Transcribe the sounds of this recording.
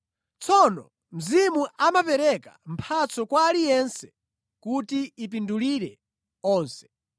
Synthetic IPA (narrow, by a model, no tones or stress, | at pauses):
t͡sʰɔnɔ̰ | m̩zimuʔamapɛɾɛka̰m̩pʰat͡sɔkwaːlijɛnsɛ̥ | kutiip̬induliɾɛ | ɔːnsɛ̥